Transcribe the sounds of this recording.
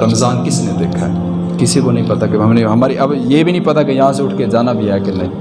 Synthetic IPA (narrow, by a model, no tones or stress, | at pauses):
ɾɐmzaːnkɪsned̪eːkʰaɛ | kɪsikonɐɦĩpɐt̪akiɦɐmneɦɐmaːɾiʔɐbjebʱinɐ̃ɦĩpɐt̪akijɐɦãseʊʈʰked͡ʒaːnabʱiakenɐĩ